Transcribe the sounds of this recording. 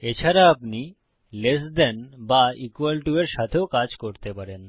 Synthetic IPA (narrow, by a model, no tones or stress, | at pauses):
et͡ɕʰaɾaapni | lesd̪ɛnbaikwalʈueɾʃat̪ʰeokad͡ʑkoɾt̪epaɾen